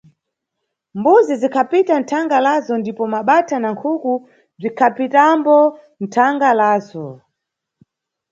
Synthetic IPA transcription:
mbuzizikʰapitan̩tʰaŋɡalazɔndipɔmaɓatʰanaŋkʰuku | b͡ʐikʰapitambɔ | n̩tʰaŋɡalaːzɔ

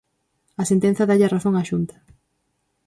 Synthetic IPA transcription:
ɐsent̪en̟θɐðaʎaraθoŋaʃunt̪ɐ̥

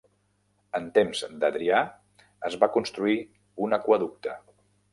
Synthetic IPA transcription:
ənt̪emzd̪əðɾia | əzβakunst̪ɾui | unəkwəðuk̚t̪ə

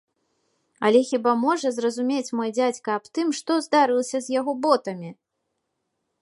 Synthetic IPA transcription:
ɐ̰lʲɛxʲibamɔʐɐzrɐzumʲet͡sʲmɔjd͡zʲat͡sʲkɐːpt̪ɨmʂt̪ɔzd̪aɾɨlˠɐsʲɐzʲjaɣɔbɔt̪ɐmʲi

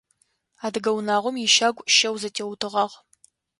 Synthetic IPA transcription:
aːdɨɡɐwnaːʁʷɔmjɪʃaːɡʷʼʃɐwzɐtʰeːwtʰɨʁɐʁ

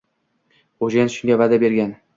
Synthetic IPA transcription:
oʒanʃʊŋɡʲavad̪abe̞ɾɡʲan

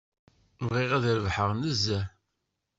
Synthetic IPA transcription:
vʁiʁæðɾəvħəʁnəzːæ

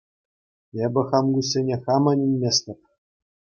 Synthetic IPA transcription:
ebʲɘ̆χɑmɡus̬ʲːenʲeχɑmɤnʲinʲmʲesʲt̪ʲɘ̆p̚ʲ

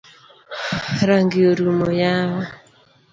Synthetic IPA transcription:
ɾaŋɡiɔɾumɔjawa

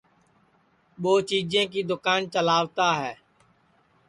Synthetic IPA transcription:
ɓoːt͡ʃiːd͡ʒẽːk̬iːd̪ʊkaːnt͡ʃəlaːʋt̪aːɦɛː

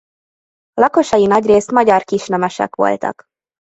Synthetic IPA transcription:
lɒko̞ʃɒjinɒɟreːst̪mɒɟɒrkiʃnɛmɛʃɛ̰kʋo̞̰lt̪ɒ̰k

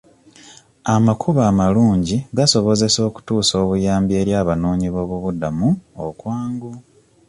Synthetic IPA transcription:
amakʰuβaːmaluːɲɟiɡaso̞βo̞ze̞so̞ːku̥tuːso̞ːβujaːmbie̞ːɾjaːβanoːɲiβo̞ːβuβudamuo̰kwaːŋɡu

